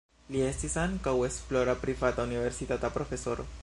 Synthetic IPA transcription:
lie̞stisaŋkawe̞splo̞ɾapɾivat̪aunive̞ɾsit̪at̪apɾo̞fe̞so̞ɾo̰

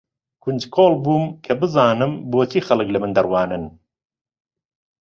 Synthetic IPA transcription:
kʰunʲd͡ʒkʰoːlˠbuːmkʰɐbɨzɑːnɨmboːt͡ʃʰixɐlˠɨklɐmɨnd̪ɐɾwɑːnɨn

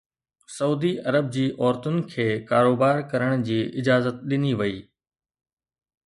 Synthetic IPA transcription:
sɐuːd̪iɐɾəb̚d͡ʑiːʔɔːɾt̪ʊnɪ̆kʰeːkaːɾoːbaːɾkɐɾəɽ̃d͡ʑiːʔɪd͡ʑaːzət̪̚ɗɪniʋɐiː

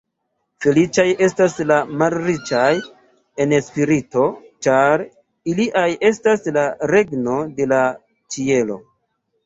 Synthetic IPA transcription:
fe̞lit͡ʃaje̞staslamalɾit͡ʃaj | e̞nespiɾito̞t͡ʃaɾ | iliʔajʔe̞staslaɾe̞ɡno̞de̞la | t͡ʃie̞lo̞̰

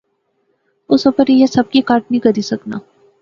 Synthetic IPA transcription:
ʊsʊpəɾjesɐb̚kikaːɾʈ̚niɡəɾisɐkna̰ː

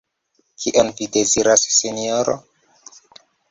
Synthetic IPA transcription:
kʰiʔenvideziɾasːinioɾo̰

